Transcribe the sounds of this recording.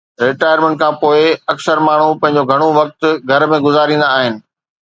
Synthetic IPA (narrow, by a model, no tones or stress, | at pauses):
ɾɪʈaːjəɾmẽɳʈ̚kʰãːpoːɪɐksəɾmaːɳ̤upɐ̃ɦɪ̃ɲ̆d͡ʑoɡʱɐɽ̃oʋɐk̚t̪ɡʱɐɾmẽɡʊzaːɾĩːnd̪aːɦɪnɪ̆